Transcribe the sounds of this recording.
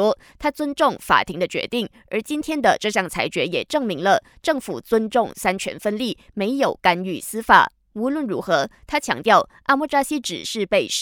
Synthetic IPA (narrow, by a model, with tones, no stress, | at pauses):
ɔ˥ | t̪ʰa˥t͡swə˥nʈ͡ʂʊ˥˩ŋfa̰˨˩t̪ʰi˧˥ŋd̪ə˧t͡ɕɥɛ̰˧˥t̪i˥˩ŋ | ə̰˧˥t͡ɕi˥nt̪ʰjɛ˥nd̪ə˨ʈ͡ʂɤ˥˧ɕjɑ˥˩ŋt͡sʰa̰˧˥ɪt͡ɕɥɛ˧˥jɛ̰˨˩ʈ͡ʂɤ˥˩ŋmi˧˥ŋlə˧ | ʈ͡ʂɤ˥˩ŋfu˨˩t͡swə˥nʈ͡ʂʊ˥˩ŋsa˥nt͡ɕʰɥɛ̰˧˥nfə˥nli˥˩ | me˧˥ɪjo˨˩ʊka˥ny˥˩sɹ̩˥fa̰˨˩˦ | u˧˥lwə˥˩nɻu˧˥xɤ˧˥t̪ʰa˥t͡ɕʰjɑ̰˧˥ŋt̪jɑ˥˩ʊʔa˥˧mu˥˩ʈ͡ʂa˥ɕi˥ʈ͡ʂɻ̩̰˨˩ʂɻ̩˥˧pe˥˩ɪ